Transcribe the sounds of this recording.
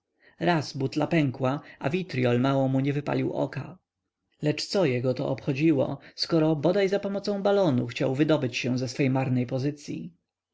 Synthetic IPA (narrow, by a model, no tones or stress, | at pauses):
ɾazbut̪lapɛŋkwaʔavʲit̪ɾjɔlmawɔmuɲɛvɘpa̰lʲiwʔɔ̰ka | lɛt͡ʂt̪sɔjɛɡɔt̪ɔ̰ɔpxɔd͡ʑiwɔ̰skɔɾɔbɔd̪ajzapɔmɔt̪sɔ̃w̃balɔnuxt͡ɕawvɘd̪ɔbɘt͡ɕɕɛ̃zɛsfɛjmaɾnɛjpɔzɘt̪sʲjḭ